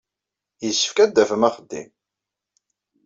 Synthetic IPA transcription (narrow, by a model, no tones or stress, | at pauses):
jəsːə̥fkæd̪ːæfəmæχəd̪ːḭm